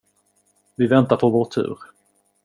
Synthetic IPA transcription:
vɪvɛnt̪aɾpʰɔvoːʈʰʉ̟̰ːɾ

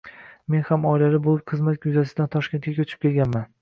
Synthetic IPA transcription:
me̞nhamɒjlalɪbolˠɪp̚qʰɨzmat̪ɡjʊzas̬ɪd̪ant̪ʰɒʃkʲe̞nt̪kʲakʲʰɵt͡ʃʰɪ̥p̚kʲʰe̞lɡʲanman

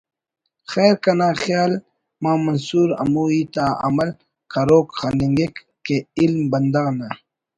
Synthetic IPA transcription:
xɛːɾkɐnaːxjaːl | mãːmɐnsuːɾɐ̰muːiːt̪aːɐ̰mɐl | kɐɾoːkxaniŋɡekː | eilmbɐnd̪aːna

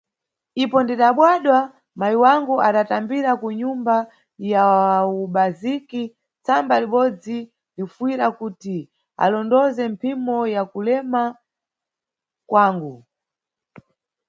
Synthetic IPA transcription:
ipɔndiɗaɓwaɗwa | majiwaŋɡuʔaɗatambiɾakuɲumba | jauɓaziki | t͡sambaliɓɔd͡zi | lifuwiɾakuti | a̰lɔndɔzɛmpʰimɔjakulɛma | kwaːŋɡu

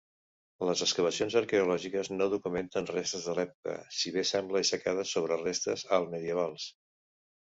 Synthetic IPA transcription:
ləzəskəβ̞əsionzəɾkəulɔʒikəznoðukument̪ənrest̪əzðəlɛpukə̰siβ̞esɛmbləsəkað̞əsoβ̞ɾərest̪əzəlˠməðiəβ̞alˠs

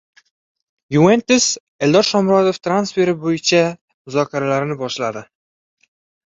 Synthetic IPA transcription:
juent̪ɪs | eld̪ɒɾʃɒmɾɒd̪oft̪ʰɾansfe̞ɾɪbojɪt͡ʃʰa | mʊzɒkʲʰaɾalaɾɪnɪbɒʃlad̪ɪ

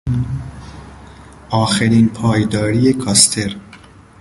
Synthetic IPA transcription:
ʔɒːxeɾiːnpʰɒːjd̪ɒːɾijekʰɒːst̪ʰeɾ

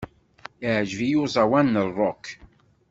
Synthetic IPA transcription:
iʕʒvijʊzˤɑwænːərˤːɔk

